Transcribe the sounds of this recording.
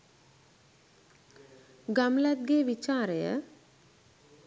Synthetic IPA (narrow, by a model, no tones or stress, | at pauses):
ɡamlæt̪̚ɡeːʋit͡ʃaːɾəjə̰